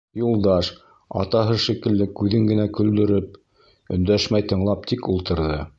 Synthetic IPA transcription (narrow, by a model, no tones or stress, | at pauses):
julˠd̪ɑʃ | ɑ̰t̪ɑɦɤʃikɘ̆lːɘkʉðɘŋɡɘ̆nækɵ̆ld̪ɵ̆ɾɘp̚ | ɵ̆nd̪æʃmæjt̪ɤ̆ɴlˠɑp̚t̪ʰikulˠt̪ɤ̆ɾðɤ